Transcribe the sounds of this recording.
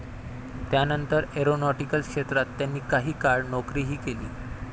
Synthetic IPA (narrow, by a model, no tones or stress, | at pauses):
t̪janənt̪əɾeɾonɔʈikəlkʂet̪ɾat̪ːjanːiːkaɦiːkaɽnɔkɾiːɦiːkelḭː